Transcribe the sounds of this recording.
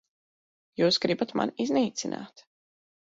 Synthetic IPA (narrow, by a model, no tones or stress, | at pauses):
juːsɡɾibat̪ma̰nizniːt̪sinʔa̰ːt̪